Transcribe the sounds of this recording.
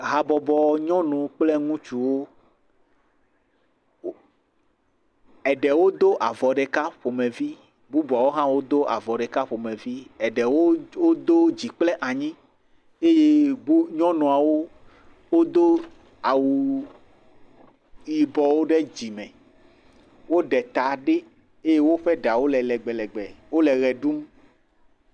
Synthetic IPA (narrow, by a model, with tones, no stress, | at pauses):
ɦa˨bɔ˨bɔ˨ɲɔ̃˦nɔ̃˨k͡plɛ˦ŋũ˦t͡ʃu˨wo˦ | ɛ˨ɖɛ˨wo˦d̪o˦ʔa˨vɔ˨ɖɛ˨ka˦ɸo˨mẽ˨vi˦ | bu˦ba˨wo˦ɦã˦wo˦d̪o˦ʔa̰˨vɔ˨ɖɛ˨ka˦ɸo˨mẽ˨vi˦ɛ˨ɖɛ˨wo˦wo˦d̪o˦d͡ʑi˨k͡plɛ˦ʔa˨ɲĩ˦ | e˦je˦bu˦ɲɔ̃˦nɔ̃˨a˨wo˦ | wo˦d̪o˦ | a˨wu˨ | ji˨bɔ˨wo˦ɖe˦d͡ʑi˨mɛ̃˨ | wo˦ɖɛ˨t̪a˨ɖe˦ | e˦je˦wo˦ɸe˦ɖa˨wo˦lɛ˨lɛ˨ɡ͡bɛ˨lɛ˨ɡ͡bɛ˨wo˦lɛ˨ɣɛ˨ɖu˦m